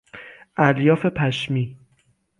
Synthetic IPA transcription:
ʔæljɒːfe̞pʰæʃmiː

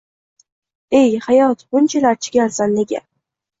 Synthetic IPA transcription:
ejhajɒt̪bʊnt͡ʃʰalaɾt͡ʃʰɪ̥ɡʲalsanːeɡʲa̰

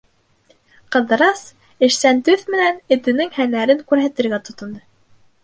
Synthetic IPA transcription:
qɤ̆ðɤ̆ɾɑs | ɘ̆ʃsænt̪ʉθmɘ̆nænɘ̆t̪ɘ̆nɘŋhænæɾɘŋkʉɾɦæt̪ɘ̆ɾɡæt̪ŏt̪ŏnd̪ɤ

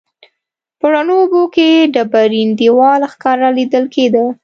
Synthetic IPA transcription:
pəɽanobokeɖabaɾind̪iwɑlxkɑɾalid̪əlked̪ə

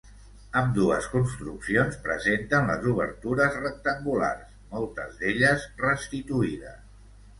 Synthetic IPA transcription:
əmd̪uə̰skunst̪ɾuksionspɾə̰zent̪ənlə̰zuβ̞ə̰ɾt̪uɾəzrək̚t̪əŋɡula̰rsmɔlˠt̪ə̰zðeʎəsrəst̪it̪uiðə̰s

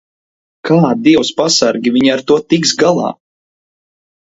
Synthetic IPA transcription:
kaaːd̪iɛwspasaɾɡʲivʲiɲaɾt̪uɔt̪iɡsɡalˠɑ̰ː

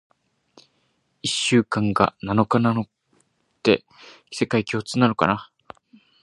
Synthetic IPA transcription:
iɕːɨːkãŋɡa̰nano̞kanano | t̪e̞̰ | kʲi̥se̞kaikʲot͡sɨnanɯ̟ka̰na

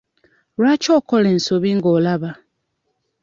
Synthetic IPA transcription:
ɾat͡ʃɔkɔlɛn̩soβiŋ̩ɡɔlaβa

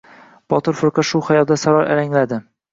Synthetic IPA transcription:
b̥ɒt̪ʰɪɾfʊɾqɑʃʊhajɒlˠd̪asaɾɒɾʔa̰ɾaŋlad̪ɪ

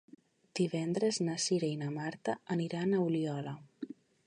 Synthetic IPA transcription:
d̪̥iβɛnd̪ɾeznasiɾainamaɾt̪aəniɾanauliɔla

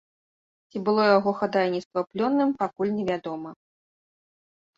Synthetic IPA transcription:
t͡sʲibɨlˠɔjaɣɔxad̪ajnʲit̪st̪vɐplʲɔnːɨmpakulʲnʲɛvʲad̪ɔmɐ

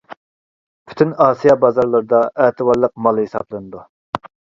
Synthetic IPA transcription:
pʰy̥t̪ʰynɑːsijɑbɑzɑɾlˠɨɾɨd̪ɑʔæːt̪ʰɨwɑɾlˠəqmɑlˠhesɑ̰blˠɨnɨd̪u

